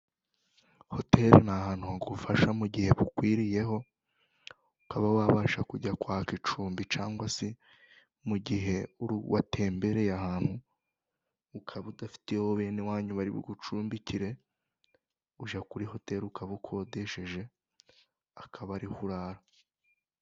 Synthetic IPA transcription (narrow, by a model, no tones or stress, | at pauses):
ho̞te̞ɾnahaːn̥huhaɡufaʃamuɟihe̞βukwiːɾije̞ɦo̞ | ukaβawaːβaːʃakuɟakwaːkit͡ʃuːmbit͡ʃaːŋɡwase | muɟiɦe̞uɾuwʔatʰe̞ːmbe̞ɾejahaːn̥hu | kʰaβudafi̥tehoβe̞ːnewaːɲuβaɾiβṵɡut͡ʃuːmbiciɾe̞ | uʒakuɾiho̞te̞ɾukaβukʰo̞de̞ʃe̞ʒe̞ | akʰaβaɾihuɾaːɾa